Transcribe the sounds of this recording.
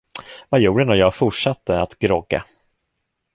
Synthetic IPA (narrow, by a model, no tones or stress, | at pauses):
vajuːɖənɔjɑːɡfʊʈʂat̪ːəat̪ɡɾɔɡːa̰